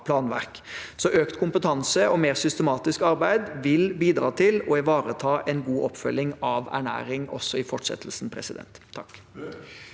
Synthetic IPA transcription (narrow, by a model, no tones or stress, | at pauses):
pʰlɑːnʋæ̰ʁk | sɔʔøːkt̪kʰʊmpət̪ʰɑnsəɔmeːʁsʏst̪əmɑːt̪ɪskɑɾbæɪd̪ʋɪlbiːd̪ɾɑ̰ːt̪ʰɪlɔɛʋɑːɾət̪ʰɑːʔɛnɡuːʔɔpːfœlːɪŋɑʋæ̰ɳæ̰ːɾɪŋɔ̰sːɔɪfɔʈʂɛ̰t̪ʰl̩sn̩pʰɾɛ̰sɪd̪ɛ̰nt̪ʰːɑkː